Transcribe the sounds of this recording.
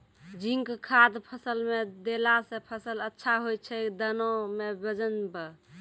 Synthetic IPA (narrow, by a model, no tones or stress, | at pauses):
d͡ʒiŋkkʰad̪pʰəsəlmed̪elasẽpʰəsələtːʃʰaɦojt͡ʃʰɛd̪ənomebəd͡ʒənbə